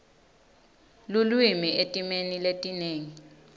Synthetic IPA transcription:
lulwimiʔetʼimeniletʼineːŋi

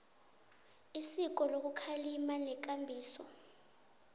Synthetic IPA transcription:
isik̬ɔlok̬ukʰalimanɛk̬ambʱiːsɔ

